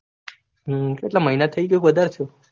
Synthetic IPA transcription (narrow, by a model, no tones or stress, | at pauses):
keʈlaməɦinat̪ʰəikeukʋəd̪ʱaɾt̪ʰjo